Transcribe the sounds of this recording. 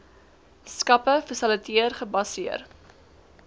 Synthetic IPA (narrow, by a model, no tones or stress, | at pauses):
skɐpəfəsələtʰiərχəbɐsiər